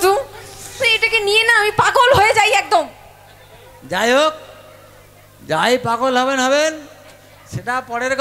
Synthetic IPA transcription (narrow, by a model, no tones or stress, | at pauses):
t̪u | eʈakenijenaamipaɡolɦoed͡ʑajɛk̚d̪om | d͡ʑajok̚ | d͡ʑajpaɡolɦɔbenɦɔben | ʃeʈapɔɽeɾk